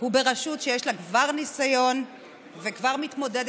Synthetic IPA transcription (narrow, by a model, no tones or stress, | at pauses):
hube̞ʁaʃut̪ʃejeʃlaɡvaʁnisajo̞n | vekvaʁmit̪mo̞d̪ed